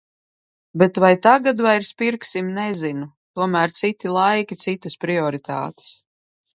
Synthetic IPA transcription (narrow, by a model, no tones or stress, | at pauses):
bɛt̪vajt̪aɡad̪vajɾspiɾksimnɛzinut̪uɔmæːɾt̪sit̪ilˠajkʲit̪sit̪aspɾiɔɾit̪ʰa̰ːt̪e̥s